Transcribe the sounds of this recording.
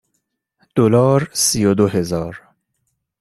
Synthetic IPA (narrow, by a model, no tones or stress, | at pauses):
d̪̥olɒːɾsijod̪ohe̞zɒːɾ